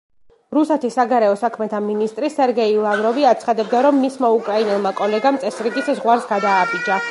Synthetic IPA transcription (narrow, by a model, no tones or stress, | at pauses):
ɾusɛt̪ʰisːaɡaɾɛɔsakʰmɛt̪ʰaminist̪ʼɾisɛɾɡɛilˠavɾɔviat̪sʰχad̪ɛbd̪aɾɔmːismaukʼɾainɛlˠmakʼɔlɛɡamt̪sʼɛsɾiɡiszʁwaɾsɡad̪aːbid͡ʒa